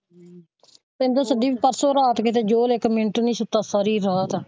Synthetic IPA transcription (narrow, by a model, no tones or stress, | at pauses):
pɛ̃ːnd̪õːsəd̪iːbipəɾsoːɾaːt̪kɪt̪̬eːd͡ʒoːlɪkmɪɳʈonĩːsʊt̪ːaːsaːɾiːɾaːt̪ː